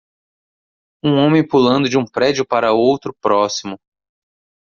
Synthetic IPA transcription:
ũõmẽj̃pulɐ̃nd̪ʊd͡ʒɪũpɾɛd͡ʒʊpaɾɐowt̪ɾʊpɾɔsimʊ

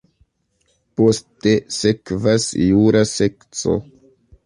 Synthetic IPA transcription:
post̪esekvasjuːɾasɛkso̰

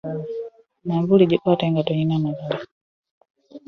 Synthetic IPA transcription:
namvuliɟukatɛŋɡatɔɲinamavuli

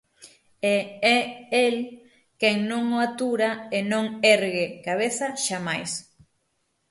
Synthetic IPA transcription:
eɛel | keŋnõŋoat̪uɾaenõŋɛɾɣekaβ̞eθɐʃamajs

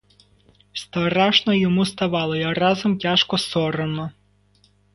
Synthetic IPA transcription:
st̪ɐɾɑʒnɔjɔmust̪ɐʋɑlˠɔjɐrɑzɔmtʲaʃkɔsɔɾɐnɔ

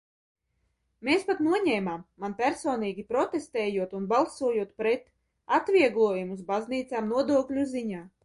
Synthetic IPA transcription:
meːspat̪nuɔɲeːmaːmːanpʲæɾsoːniːɡʲipɾɔt̪est̪ɛːjuɔt̪unbalˠsuɔjuɔt̪pɾɛt̪ | at̪vʲiɛɡlˠuɔjumuzbazniːt̪saːmnuɔd̪uɔklʲuziɲaː

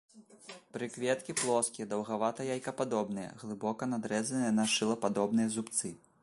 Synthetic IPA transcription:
pɾɨkvʲɛt̪kʲiplˠɔskʲijɐd̪ɐwɣavat̪ɐjajkɐpad̪ɔbnɨjɐ̰ɣlˠɨbɔkɐnad̪ɾɛzɐnɨjɐnaʂɨlˠɐpad̪ɔbnɨjɐzupt̪sɨ

